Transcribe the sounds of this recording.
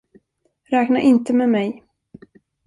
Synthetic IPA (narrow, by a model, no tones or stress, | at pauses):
ɾɛːknaɾʔɪnt̪əmɛmɛj